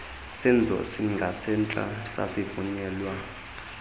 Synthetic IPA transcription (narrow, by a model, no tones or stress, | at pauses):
sɛnd͡zʱɔ̰siŋɡʱasɛnt͡ɬʼa̰sa̰sivuɲɛːlwa